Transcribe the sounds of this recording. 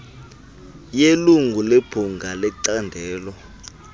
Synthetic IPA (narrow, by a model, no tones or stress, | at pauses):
jeluŋɡʱuleb̥ʱuŋɡʱalɛǀandʱɛːlɔ